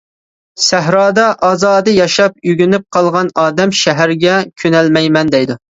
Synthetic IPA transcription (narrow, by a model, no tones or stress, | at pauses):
sæɦɾɑːd̪ɑʔɑːzɑːd̪ɨjɑʃɑp̚yɡʲynyp̚qʰɑlˠʁɑnɑːd̪ɛmʃɛɦæɾɡʲɛkʲʰønɛlmɛjmɛnd̪ɛjd̪u